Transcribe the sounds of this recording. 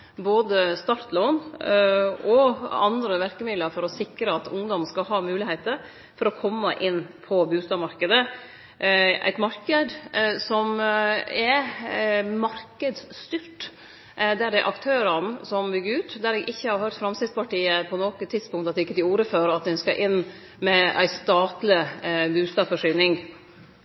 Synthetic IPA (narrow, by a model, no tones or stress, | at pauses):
boːd̪əst̪ɑɾt̪loːn | ɔɑnd̪ɾəʋæɾkəmɪd̪ləɾfɔɾɔsɪkɾəɑt̪ʊ̰ŋd̪ɔmskɑlɦɑːmʉːlɪheɪt̪əɾ | fɔɾɔkʰɔmːəʔɪnːpʰɔbʉːst̪ɑːmɑɾkəd̪ə | ʔæ̰ɪt̪mɑɾkəd̪sɔmɛɾ | mɑɾkəd̪sst̪yɾʈ | d̪æɖɛʔɑ̰kt̪ʰøːɾənsɔmbʏɡːəɾʉːt̪d̪æɾɛɡʔɪçːəhɑɾhœɾt̪fɾɑmsɪd̪spɑʈiːəpʰɔnɔːkət̪ʰːɪd̪spʊŋkt̪ɑt̪d̪ɛɪkːət̪ɪuːɾəføɾɑt̪̚d̪ɛnskɑʔɪnː | mɛæ̰ɪst̪ɑːt̪lɪbʉːst̪ɑːfɔʂyːnɪŋ